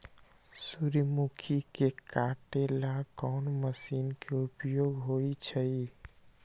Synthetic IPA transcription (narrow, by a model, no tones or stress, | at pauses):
suɾmukʰikekaʈelakɔnməsinkeupjoɡɦojt͡ʃʰəj